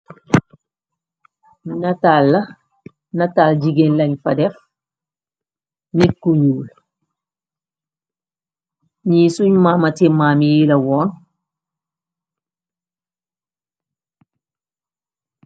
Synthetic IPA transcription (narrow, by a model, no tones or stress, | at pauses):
natalːɐ | nataːlɟiɡenlɐɲfɐdɛf | nikːujuːl | ɲiːsuɲmamɐtimamijilɐwɔːn